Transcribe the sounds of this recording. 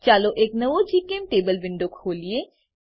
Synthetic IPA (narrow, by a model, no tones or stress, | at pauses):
t͡ʃaːloʔeːknɐʋod͡ʒiːkeːmʈeːbəlʋɪ̃ɳɖokʰoːlie